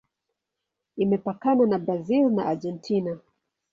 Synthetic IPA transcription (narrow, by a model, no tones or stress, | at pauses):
imɛpakananabɾazilna̰ʔad͡ʒɛntʰina